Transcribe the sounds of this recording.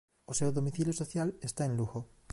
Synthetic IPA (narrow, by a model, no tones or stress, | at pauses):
osewðo̞miθiljosoθjalest̪aenluxo